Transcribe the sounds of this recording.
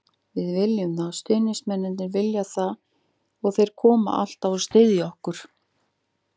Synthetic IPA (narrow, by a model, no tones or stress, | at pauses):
vɪðvɪljʏmθast̪ʏːnɪsmɛnːɪnt̪nɪɾvɪljaθað | ɔɣθejɾ̥kʰɔːma̰ʔa̰l̥t̪avɔst̪eːðjɔhkʏɾ̥